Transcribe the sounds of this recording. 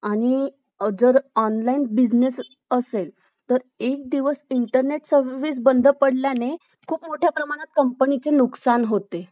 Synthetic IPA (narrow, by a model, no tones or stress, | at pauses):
aɽ̃i | d͡zəɾɔnlainbid͡znes | əsel | t̪əɾek̚d̪iʋəsiɳʈəɾneʈsəɾʋis̬bənd̪ʱəpəɽljane | kʰuːpmoʈʰjapɾəmaɽ̃at̪̚kəmpənit͡senuksanɦot̪e